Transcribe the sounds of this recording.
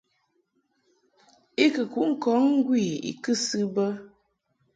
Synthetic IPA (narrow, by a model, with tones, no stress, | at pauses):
i˦kə˨ku˨˦ʔŋ̩˦kɔ˨˦ŋŋ̩˦ɡwi˦˨ḭ˨kɨ˦sɨ˦bə˦